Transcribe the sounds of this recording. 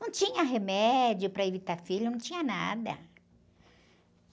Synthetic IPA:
nɐ̃w̃t͡ʃĩɲɐɦemɛd͡ʒjʊpɾɐevit̪aɾfilʊnɐ̃w̃t͡ʃĩɲɐna̰d̪ɐ̰

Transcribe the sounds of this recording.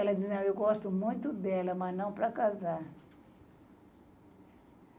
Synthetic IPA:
ɛlɐd͡ʒiznɐ̃w̃ewɡɔst̪ʊmũj̃t̪ʊd̪ɛlɐmɐznɐ̃w̃pɾɐkazaɾ

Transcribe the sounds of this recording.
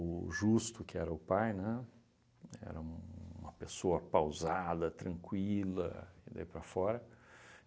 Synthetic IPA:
ʊʒust̪ʊkɪɛɾɐʊpajnɛ | ɛ̰ɾɐũmɐpesoɐpawzad̪ɐt̪ɾɐ̃ŋkwilɐ̰ɪd̪a̰ipɾɐfɔɾɐ

